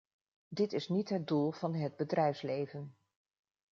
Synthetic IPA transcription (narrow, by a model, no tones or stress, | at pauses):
dɪtɪsnitɦəd̚dulˠv̥ɑnɦəd̚bədrɛjfslejvən